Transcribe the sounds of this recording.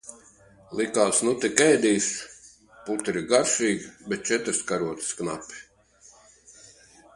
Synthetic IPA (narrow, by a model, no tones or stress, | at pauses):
lˠikaːsnut̪ikɛjd̪iːs | put̪iɾiɡaɾʃiːɡbɛt̪̚t͡ʃɛt̪ɾskaɾuɔt̪sknapʲi̥